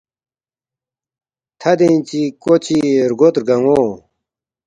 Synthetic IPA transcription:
t̪ʰad̪ent͡ɕikot͡ɕʰirɡot̪ɡaŋo

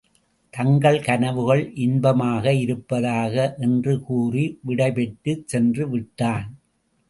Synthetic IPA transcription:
t̪ɐŋɡɐɭkɐnɐʋɯɣɐɭʔɪnbɐmaːɣɐɪɾɯpːɐðaːɣɐʔɛndrɯkuːriʋɪɽɐɪpɛʈːɯsɛndrɯʋɪʈːaːn

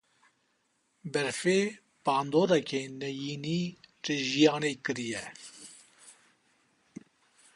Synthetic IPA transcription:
bɛɾfeː | paːnd̪oːɾakeːnɛjiːniːɾiʒijɑːnekɨɾijɛ

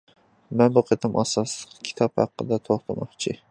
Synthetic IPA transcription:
mɛnbuqʰet̪ʰɪmʔɑsɑsləqkʲʰi̥t̪ʰɑphɑ̰qːə̰d̪ɛt̪ʰoχt̪ʰɑmɑqt͡ʃʰɪ

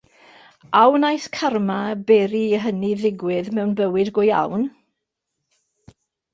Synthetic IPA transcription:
awnajskʰarmabɛːɾiːɦəniðɪɡwɪðmɛwnbəwɪdɡɔja̰wn

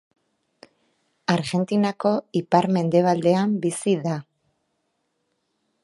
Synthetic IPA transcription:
aɾɣe̞nt̪inako̞ipaɾme̞nd̪e̞β̞ald̪e̞ambisiða

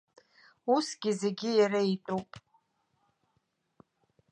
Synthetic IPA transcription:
usɡʲize̞ɡʲɪjaɾaitʼupʼ

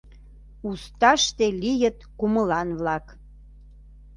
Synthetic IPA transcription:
ust̪ɑʃt̪elijət̪kuməlɑnβlɑk

